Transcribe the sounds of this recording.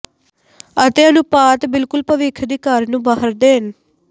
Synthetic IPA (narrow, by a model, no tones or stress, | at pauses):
ət̪eːənũːpaːt̪bɪlkʊlpəʋɪkʰd̪iːkəɾnũːbaːɦəɾd̪eːɦən